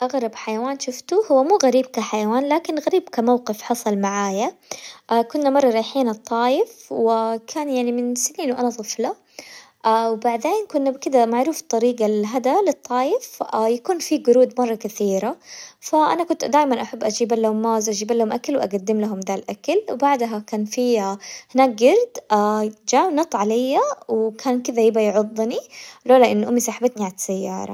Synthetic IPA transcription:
ʔaɣɾˤɑbħajawaːnʃʊft̪ʊhʊwːamuːɣaɾiːb̚kaħajawaːnlaːkɪnɣaɾiːbkamawqɪfħɑsˤɑlmaʕaːjaʔakʊnːamɑrˤːɑɾˤɑːjħiːnɨt̪ˤːɑːjɪfwɪkʰaːnjaʕnimɪnsɪniːnwʔanat̪ˤɨfla | ʔawbaʕd̪eːnkʊnːabkɪd̪amaʕɾuːft̪ˤːɑɾiːɡalɦad̪alɨt̪ˤːɑːjɪfajakuːnfiɡʊɾuːd̪mɑrˤːɑkaθiːɾafaʔa̰nakʊnt̪d̪aːjmanʔaħabːʔad͡ʒiːbalːamːaːzʔad͡ʒiːbalːahʊmʔakalwʔa̰ɡad̪ːɪmlaɦʊmd̪aːlʔakalwbaʕd̪ɦakaːnfiahɪnaːk̚ɡɑɾˤd̪ʔad͡ʒaːwnɑt̪ˤʕalajːawkʰaːnkɪðajɪbajʕʊd̪ˤːniloːlaʔɪnːʔʊmːisaħbat̪niʕatsajːɑ̰ːɾˤɑ̰

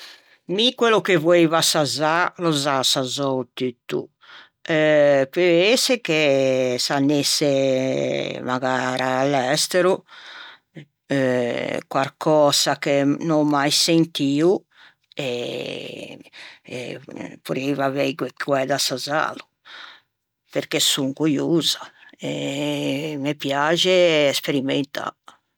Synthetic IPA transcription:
mikwelokevoevasazalɔzasazɔut̪yt̪ːṵ | ɛpeesekesanːesːe | maɣaɾaːlːɛst̪eɾu | kwaɾkʰɔːsakenɔmːajsent̪iːu | ɛ | puɾeivavɛɡwekʰːwɛd̪asaza̰ːlu | peɾkesuŋkujuzaɛ | mepjaːd͡ʒeːspeɾiment̪ʰa̰

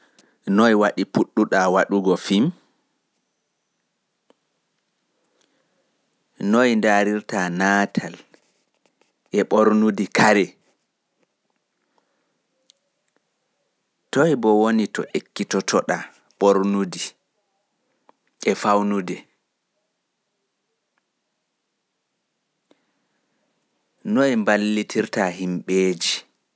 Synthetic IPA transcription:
nɔjwaɗipuɗːuɗawaɗuɡɔfim | nojndaɾiɾtanaːtʰal | ʔɛɓoɾnudikʰaɾɛ | tɔjbɔwonitɔ̰ʔekːitɔtʰɔɗa | ɓoɾnudi | ɛfawnudɛ | nojmbalːitʰiɾtahimɓeːd͡ʒi

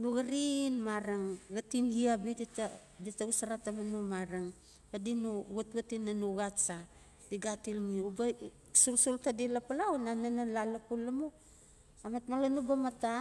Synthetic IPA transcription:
nuɡaɾinmaɾaŋɡatinɡiabidita | ditaɡusaɾatamanumaɾaŋ | badinuɡatɡatinːanuɡat͡ʃa | d̥iɡatilŋiuba | sulsultadilapalawnananalalapulːamu | amatmalanubamata

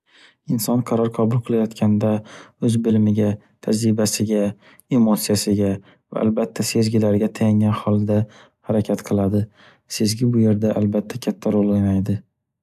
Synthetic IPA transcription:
ɪnsɒnqʰɑɾɒɾqʰɒbʊlˠqʰɨlˠajɒt̪kʲʰand̪aɵzbɪlmɪɡʲa | t̪ʰad͡ʒɾɪbasɪɡʲa | e̞mot̪sijasɪɡʲa | va̰a̰lbat̪ʰːase̞zɡʲɪlaɾɡʲat̪ʰajaŋɡʲanhɒlˠd̪a | haɾakʲʰat̪qʰɨlˠad̪ɪ | se̞zɡʲɪbʊje̞ɾd̪aʔalbat̪ʰːakʲʰat̪ʰːaɾolˠojnajd̪ɪ

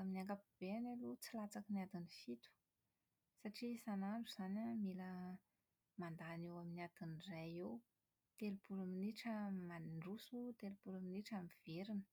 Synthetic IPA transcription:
aminiaŋkapub̥eanelut͡silat͡sakəniad̪inifit̪u̥ | saʈ͡ʂisanaɳɖ͡ʐuz̥anʲamilə | mand̪aːnewaminiad̪̥inirajew | t̪elupulaminiʈ͡ʂəmaniɳɖ͡ʐusut̪elupulaminiʈ͡ʂamiv̥eɾinə̥

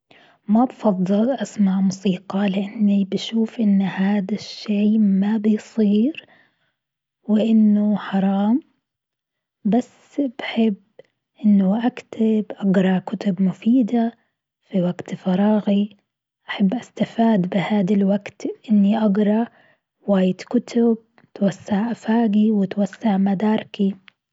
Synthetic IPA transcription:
mabfɑðˤːɨlʔasmaʕmʊsiːqɑlɪʔanːibaʃuːfʔɪnːhaːd̪aʃːeːmabɪjsˤiːɾ | wɪʔɪnːʊħɑɾˤɑːm | basːbaħɪbː | ʔɪnːʊʔakt̪ʰɪbʔaɡɾˤɑkʊt̪ʊbmʊfiːd̪a | fiwaɡt̪fɑɾˤɑːɣi | ʔaħabːʔast̪afaːd̪bɪhaːd̪alwaɡt̪ʔɪnːiʔaɡɾˤɑ | waːjɪd̪kʊt̪ʰʊb̚ | t̪wasːaʕʔafaːɡiwɪt̪wasːaʕmad̪ɑːɾˤki

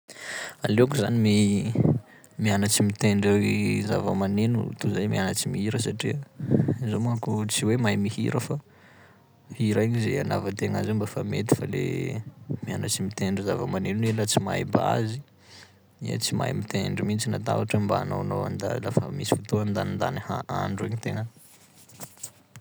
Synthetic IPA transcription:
aleakuza̰nimi | mianat͡simit̪eɳɖ͡ʐiza̰vəmanenṵt̪uzajmianat͡simiɦiɾəsaʈ͡ʂiəizomakut͡siwemajmihḭɾəfa | hiɾaɲizeana̰vat̪eŋazewmbafamet̪i̥falḛ | mianat͡simit̪eɳɖ͡ʐizavəmanenuelat͡sima̰jba̰zi | ḭə̰t͡sima̰jmit̪eɳɖ͡ʐimint͡sinat̪a̰vaʈ͡ʂambaːno̰wnoa̰nd̪a̰lafə̰misi̥fut̪oand̪anind̪a̰nihaa̰ɳɖ͡ʐeɲit̪eŋə

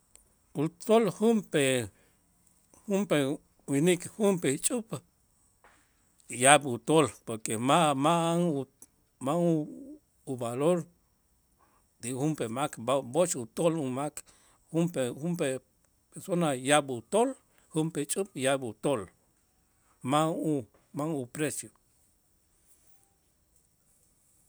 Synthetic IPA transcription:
ut̪olhumpe | humpe | winikhumpet͡ʃʼup | jabut̪olpoɾkemamaaŋu | maŋu | ubaloɾ | d̪ihumpemakbot͡ʃut̪olumak | humpehumpe | peɾsonajabut̪ol | humpet͡ʃʼup̚jabut̪ol | mau | maŋupɾesjo

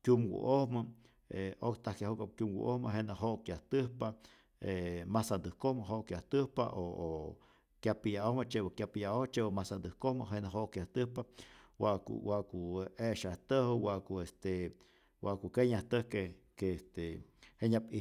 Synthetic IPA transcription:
kʲjumɡṵʔohmə | eokt̪ahkjahukap̚kʲjumwṵʔohməɦenaɦoʔkjaht̪ɨhpa | emasand̪ɨhkohməɦoʔkjaht̪ɨhpa̰ʔoo | kjapijaohmət͡ʃebakjapijaʔoht͡ʃebomasand̪ɨhkohmə̰ɦenaɦoʔkjaht̪ɨhpawaʔkṵwaʔkueʃaht̪əhəwaʔkuest̪e | waʔkukeɲaht̪əhke | keest̪eheɲapi

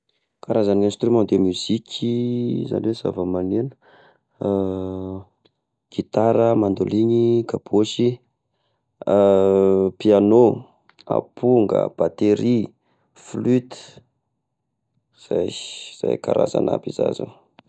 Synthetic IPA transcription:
kaɾazanẽnst̪ɾymɑ̃d̪emyz̥ikʲʰiza̰neza̰vəmaninə̥ | ɡ̥it̪aɾəmand̪oliɲikab̥oʃi | piano | a̰pʰuŋɡə̰b̥at̪eɾi | flyt̪i̥ | z̥a̰jz̥a̰jkaɾa̰za̰na̰biza̰zo̰

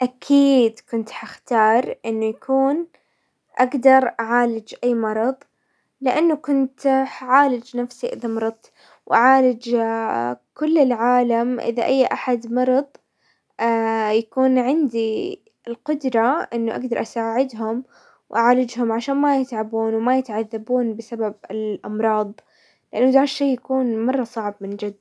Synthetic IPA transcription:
ʔakʰiːd̪kʊnt̪ħaxt̪ɑːɾˤʔɪnːʊjakʰuːn | ʔaɡd̪ɑɾˤʔaʕaːlɪd͡ʒʔajːmɑɾˤɑðˤ | lɪʔanːʊkʊnt̪ħʕaːlɪd͡ʒnafsiʔɪðamɾˤɑðˤ | wʔaʕaːlɪd͡ʒ | kʊlːɪlʕaːlamʔɪ̰ðaʔajːʔaħad̪mɑɾˤɑðˤ | jakuːnʕɪnd̪i | ɪlqʊd̪ɾˤɑʔɪnːʊʔa̰ɡd̪ɑɾˤʔasaːʕɪd̪ɦʊm | wʔaʕaːlɪd͡ʒɦʊmʕaʃaːnmajɪt̪ʕabuːnwɪmajɪt̪ʕaðːabuːnbɪsababɪlʔɑmɾˤɑːðˤ | lɪʔanːʊd̪aːɾʃeːjakuːnmɑrˤːɑsˤɑʕbmɪnd͡ʒɪd̪ː

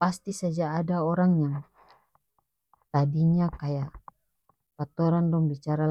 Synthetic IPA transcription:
past̪isad͡ʒaːdaɔɾaŋjaŋ | t̪adiɲakajaʔ | pat̪ɔɾandɔŋbit͡ʃaɾa

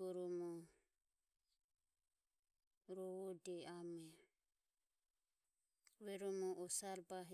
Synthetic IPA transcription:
ɔɾɔmɔ | ɾɔwɔdɛamɛ | βɛɾɔmɔʔɔsaɾbaɦ

